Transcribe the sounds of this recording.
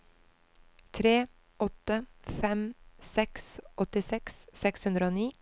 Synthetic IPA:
t̪ʰɾeː | ʔɔt̪əfɛmsɛksʔɔt̪ɪsɛkssɛkshʉnd̪ɾəoːniː

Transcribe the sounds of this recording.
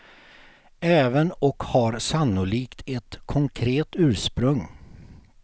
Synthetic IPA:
ɛːvənɔkhaɾsanːʊliːkt̪ʰɛt̪kʰɔŋkʰɾeːt̪ʉ̟ːɾʂpɾɵŋː

